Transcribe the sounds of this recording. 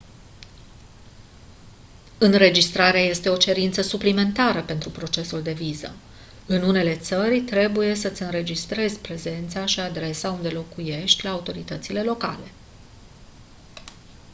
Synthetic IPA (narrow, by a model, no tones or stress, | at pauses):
ɨnɾe̞d͡ʒist̪ɾaɾeaje̞st̪e̞o̞t͡ʃe̞ɾint̪səsuplime̞nt̪aɾəpe̞nt̪ɾupɾo̞t͡ʃe̞suld̪e̞vizə̰ | ɨnune̞le̞t̪sərʲt̪ɾe̞buje̞sət̪sʲɨnɾe̞d͡ʒist̪ɾe̞zʲpɾe̞ze̞nt̪saʃiad̪ɾe̞saund̪e̞lo̞kuje̞ʃt̪ʲlaːut̪o̞ɾit̪ət̪sile̞lo̞ka̰le̞